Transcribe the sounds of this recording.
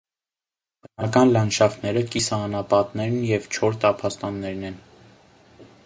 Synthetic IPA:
bənɑkɑnlɑnʃɑfnɛɾəkisɑnɑpɑt̪nɛɾnjɛvt͡ʃʰɔɾt̪ɑpʰɑst̪ɑnːɛɾnɛn

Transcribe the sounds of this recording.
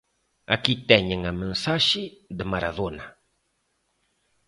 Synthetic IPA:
a̰kit̪ɛɲeŋamẽnsaʃɪd̪emaɾaðonɐ

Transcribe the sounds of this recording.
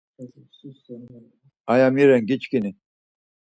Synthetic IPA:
ajamiɾeŋɡit͡ɕkini

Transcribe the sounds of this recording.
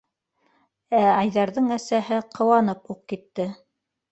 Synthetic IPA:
æɑjðɑɾðɤɴæsæɦɘqʰɤ̆wɑnɤpuq̚kit̪ːɘ

